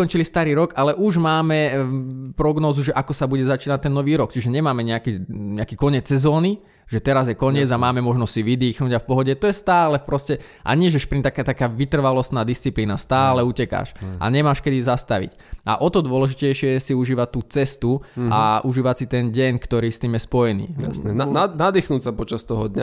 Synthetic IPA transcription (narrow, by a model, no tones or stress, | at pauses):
kɔnt͡ʃilist̪aɾiːɾɔɡalɛʔuʒmaːmɛ | pɾɔɡnɔːzuʒɛʔakɔsabuɟɛzat͡ʃiːnac̚t̪ːɛnːɔʋiːɾɔkt͡ʃiʒɛɲɛmaːmɛɲɛakɛɲɛakiːkɔɲɛt͡sːɛzɔːni | ʒɛt̪ɛɾazjɛkɔɲɪɛd͡zamaːmɛmɔʒnɔstsiʋid̪iːxnuːɟafpɔɦɔɟɛt̪ɔjɛst̪aːlɛpɾɔscɛ | ʔa̰ɲɪɛʒɛʃpɾint̪akɛt̪akaːʋit̪r̩ʋalɔst̪naːd̪ist͡sipliːnast̪aːlɛucɛka̰ːʃʔa̰ɲɛmaːʃkɛd̪izast̪aʋḭc | ʔa̰ʔɔt̪ɔd̪ʋɔlɛʒicɛjʃɪɛjɛsiuʒiːʋat̪ːuːt͡sɛst̪ua̰ʔuʒiːʋasit̪ɛnɟɛɲkt̪ɔɾiːst̪iːmjɛspɔjɛnḭːasnɛananad̪iːxnuːcsapɔt͡ʃast̪ɔɦɔd̪ɲa